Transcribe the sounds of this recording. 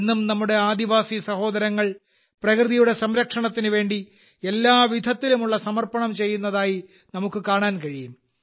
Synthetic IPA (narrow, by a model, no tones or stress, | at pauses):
nːumnɐmːuɽe̞aːd̪iʋaːsisɐho̞ːd̪ɐɾɐŋːɐɭ | prɐkrɨðijuɽe̞sɐmɾɐkʂɐɳɐt̪ːinɨʋe̞ːɳɖi | e̞lːaːʋid̪ʱɐt̪ːilumuɭːɐsɐmɐrpɐɳɐmt͡ɕe̞jːunːɐðaːji | nɐmukːɨkaːɳaːnkɐɻijum